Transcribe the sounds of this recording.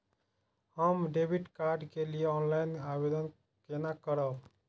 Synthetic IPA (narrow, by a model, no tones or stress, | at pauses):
həmɖebʱiʈkaɾɖkelieɔnlainabed̪ən | kenakəɾəb